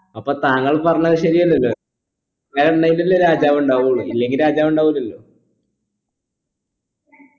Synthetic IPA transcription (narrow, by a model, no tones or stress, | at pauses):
ɐpːo̞ːt̪aːŋːɐɭpɐrɐɲːɐðɨɕɐɾijɐlːɐlːoː | ɲːalɐɳːɐjilɐlːoːɾaːd͡ʑaːʋuɳɖaːʋuɭuilːe̞ŋɡilɾaːd͡ʑaːʋuɳɖaːʋulɐlːo̞ː